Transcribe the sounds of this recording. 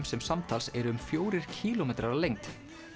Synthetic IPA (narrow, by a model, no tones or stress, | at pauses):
msɛmsamt̪ʰalsɛɾʏʏmfjoːwɾɪɾ̥cʰiːlɔmɛːt̪ɾaɾalejŋt̪